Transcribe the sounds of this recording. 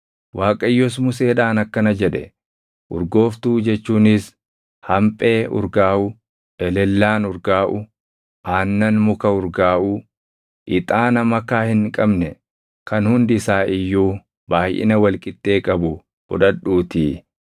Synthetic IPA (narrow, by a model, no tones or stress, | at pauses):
wʔaːkʼɐjːɔs̬mʊse̞ːᶑaːnɐkːɐnɐd͡ʒɛᶑɛ̰ | ʔʊɾɡo̞ːft̪uːd͡ʒɛt͡ʃːuːnɪs | hɐmpʼe̞ːʊ̰ɾɡaːʔʊ | ɛlɛlːaːnʊɾɡaːʔʊ | ʔaːnːɐnmʊkɐʊɾɡaːʔʊ | ʔɪt̪ʼaːnɐmɐkːaːhɪŋkʼɐbnɛ | kɐnhʊnd̪ɪsaːʔɪjːuː | baːjʔɪ̰nɐwɐlkʼɪt̪ːe̞ːkʼɐbʊ | b̥ʊ̰ᶑɐᶑuːt̪iː